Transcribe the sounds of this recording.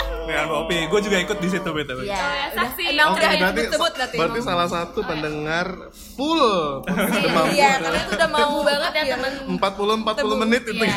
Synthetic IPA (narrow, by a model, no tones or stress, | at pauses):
aopeɡuad͡ʒuɡaikʊt̪̚dis̬it̪ubet̪abasiokebat̪iat̪bəəɾt̪is̬alahs̬at̪upəndəŋar | pulo | damaaiudamaubaŋət̪əəmpat̪̚pulʊəmpat̪̚ulomənɪt̪̚it̪u